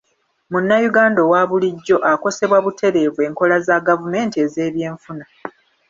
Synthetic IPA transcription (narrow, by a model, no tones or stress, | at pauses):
munːajuɡaːndowaːβuliɟːo̞ʔako̞se̞βwaβutʰe̞ɾe̞ːvwe̞ːŋko̞lazaɡavume̞ːntieze̞ːβje̞ːɱfuna